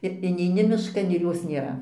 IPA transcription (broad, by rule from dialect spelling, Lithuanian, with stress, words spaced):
ɪr ɪnʲɛɪˈnʲɪ mʲɪʃˈkɐn ɪr ˈjoːs nʲeːˈrɐ